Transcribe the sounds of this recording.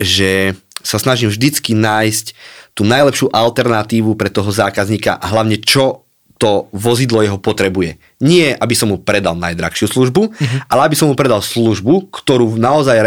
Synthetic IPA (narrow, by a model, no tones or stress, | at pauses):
ʒɛsasnaʒimvʒd̪it͡skinaːjsct̪uːnajlɛpʃɪuʔalt̪ɛɾnat̪iːʋupɾɛt̪ɔɦɔzaːkazɲiːka̰ʔaɦlaʊɲɛt͡ʃɔ | t̪ɔʋɔzid̪lɔjɛɦɔpɔt̪ɾɛbujɛ | ɲɪɛʔabisɔmːupɾɛd̪a̰lˠna̰jd̪ɾa̰xʃɪusluʒbuʔalɛabisɔmːupɾɛd̪alsluʒbukt̪ɔɾuːnaɔzajɾ